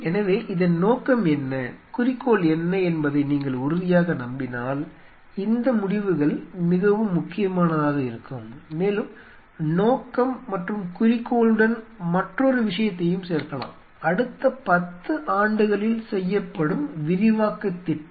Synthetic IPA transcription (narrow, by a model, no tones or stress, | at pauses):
ɛnɐʋeːʔɪðɐnnoːkɐmɛnːɐkʊrɪkːoːlɛnːɐɛnbɐðɐɪniːŋɡɐɭʊɾʊðɪjaːɣɐnɐmbɪnaːl | ɪnd̪ɐmʊɽɪʋɯɣɐɭmɪɣɐʋɯmːʊkːɪjɐmaːnɐðaːɣɐɪɾɯkːɯmːeːlɯm | noːkːɐmːɐʈrɯmkʊrɪkːoːɭɯɽɐnmɐʈrɔɾɯʋɪʂɐjɐt̪ːɐjɯmseːɾkɐɭã̰ːm | ɐɽɯt̪ːɐpɐt̪ːɯʔaːɳɖɯɣɐɭɪlsɛjːɐpːɐɽɯmʋɪɾɪʋaːkːɐt̪ːɪʈː